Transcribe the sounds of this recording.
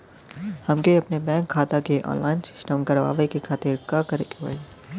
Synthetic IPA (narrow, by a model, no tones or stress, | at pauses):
hɐmkeɐpnebɛ̃ːŋkʰːaːt̪akeʔɔ̰ːnlaːɪnsɪ̥sʈə̃mkɐɾʋa̰ːʋəikekʰaːt̪ɪɾkakɐɾekʋa̰ː